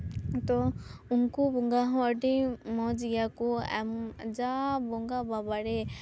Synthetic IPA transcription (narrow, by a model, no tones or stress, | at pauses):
t̪ɔunkubɔŋɡaɦɔ̃əɖimɔd͡ʒijakɔɛ̰md͡ʒabɔŋɡababaɽɛ